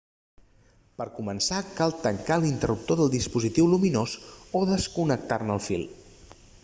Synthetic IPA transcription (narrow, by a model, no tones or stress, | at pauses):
pəɾkumənsakalˠt̪əŋkalint̪ərup̚t̪oðəlˠd̪ispuzit̪iwluminozoðəskunək̚t̪arnəlˠfḭlˠ